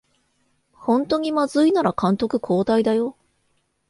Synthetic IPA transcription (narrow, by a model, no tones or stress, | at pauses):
hõ̞nt̪o̞ɲ̟imazɨinaɾakãnt̪o̞kɯ̟kʰo̞ːt̪aid̪ajo̞